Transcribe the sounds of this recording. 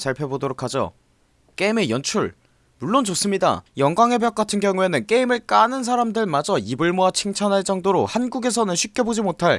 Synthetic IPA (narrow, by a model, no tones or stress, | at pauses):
t͡ɕʰaɭpʰjobodoɾokʰad͡ʑʌ̰ | k͈e̞ime̞jʌnt͡ɕʰuɭ | muɭːond͡ʑos͈ɯmɲida̰jʌŋɡwaŋɦe̞bjʌk͈̚atʰɯnkjʌŋue̞nɯnk͈e̞imɯɭk͈anɯns̬ʰaɾamdɯɭmad͡ʑʌibɯɭmoat͡ɕʰiŋt͡ɕʰʌnɦaɭt͡ɕ͈ʌŋdoɾohanɡuɡe̞sʰʌnɯnɕʰɥik̚k͈ebod͡ʑimotʰaɭ